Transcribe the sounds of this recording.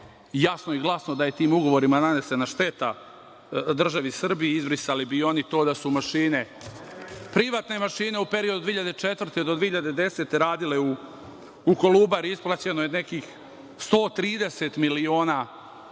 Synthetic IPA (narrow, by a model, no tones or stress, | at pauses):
jasnoiɡlˠasno̞d̪aje̞t̪iːmuɡo̞ʋo̞ɾimanane̞se̞naʃt̪e̞t̪a | d̪r̩ʒaʋisr̩bijeizbɾisalibio̞nit̪o̞ːd̪asumaʃiːne̞ | pɾiʋaːt̪ne̞maʃiːne̞upe̞ɾio̞d̪ud̪ʋiːiʎad̪et͡ʃet̪vr̩t̪ed̪od̪ʋiehiʎad̪e̞d̪e̞set̪e̞ɾaːd̪ileuː | koluːbaɾiisplˠat͡ɕe̞nojene̞kiːx | st̪o̞ːt̪ɾiːd̪e̞se̞t̪milio̞ːna